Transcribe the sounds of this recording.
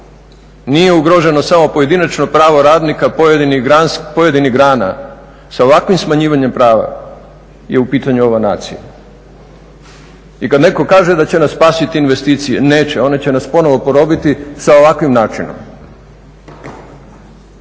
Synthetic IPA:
nije̞uɡɾo̞ʒe̞no̞samo̞po̞je̞d̪inat͡ʃno̞pɾaːʋo̞ɾaːd̪nikajeiniɡɾanspojed̪iniɡɾaːna̰ | saoʋakʋimsmaɲiːʋaɲe̞mpɾaːʋa̰ | jeupiːt̪aɲuo̞ʋana̰ːt̪sḭja̰ | ikad̪ne̞ko̞kaːʒe̞d̪at͡ɕe̞nassːpaːsit̪iːnʋe̞st̪iːt̪sijene̞ːt͡ɕeo̞net͡ɕe̞naspo̞no̞ʋo̞po̞ɾo̞bit̪isao̞ʋakʋimnaːt͡ʃino̰m

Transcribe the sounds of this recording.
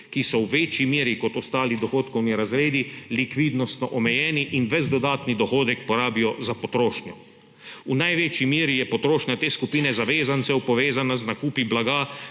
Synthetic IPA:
kisɔwʋeːt͡ʃimjeːɾikɔt̪ɔst̪aːlid̪ɔxoːt̪kɔwniɾazɾeːd̪ilikʋiːd̪nɔst̪nɔʔɔmɛjɛːniʔinʋɛzd̪ɔd̪aːt̪nid̪ɔxoːd̪ɛkpɔɾaːbijɔzapɔt̪ɾoːʃnjɔ | unajʋeːt͡ʃimjeːɾijɛpɔt̪ɾoːʃnʲjat̪eːskupiːnɛzaʋeːzant̪sɛwpɔʋeːzanaznakuːpiblaɡaː

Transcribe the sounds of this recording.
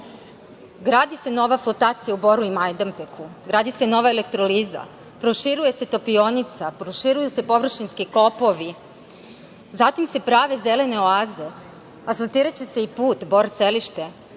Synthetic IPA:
ɡɾaːd̪ise̞no̞ʋaflˠot̪aːt̪sijaubo̞ɾuimajd̪ampekʰuɡɾaːd̪ise̞no̞ʋaelekt̪ɾoliza̰ | pɾoʃiɾuje̞se̞t̪o̞pio̞nit̪sapɾoʃiɾujuse̞po̞ʋr̩ʃinskiko̞po̞ʋi | zat̪imse̞pɾaːʋe̞zele̞ne̞oaːze̞ | asolt̪iːɾat͡ɕeseipuːt̪bo̞ɾt̪seliʃt̪e̞

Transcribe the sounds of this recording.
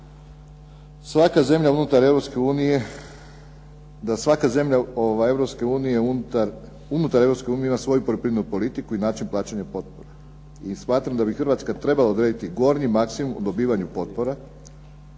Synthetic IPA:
sʋakaze̞mʎʲaunut̪aɾe̞ʋɾo̞pske̞uːnije̞ | d̪asʋakaze̞mʎaoʋaje̞vɾopske̞uːnije̞aɾ | unut̪aɾeɾoske̞uːnieimasʋo̞jupolopɾinenupo̞lit̪ikuinaːt͡ʃinplˠaːt͡ɕeɲapo̞t̪̚po̞ɾa | ismaːt̪ɾamd̪abixɾʋat̪skat̪ɾe̞balˠaod̪ɾed̪it̪iɡo̞ɾɲimaksimumṵd̪o̞biːʋaɲupo̞t̪̚po̞ɾa

